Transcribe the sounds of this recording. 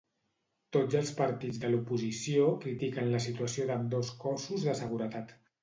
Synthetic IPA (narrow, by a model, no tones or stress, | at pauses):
t̪od͡zəlˠspəɾt̪id͡zðəlupuzisiokɾit̪ikənləs̬it̪uəsioðəmd̪oskɔsuzðəsəɣ̞uɾət̪at̪